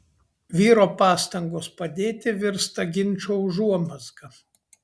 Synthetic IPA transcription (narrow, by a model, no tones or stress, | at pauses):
ʋʲiːɾoːpɑːst̪ɐŋɡoːspɐd̪ʲeːt̪ʲɪʋʲɪɾst̪ɐɡʲɪnʲˑt͡ʃʲoʒuɔmɐsɡɐ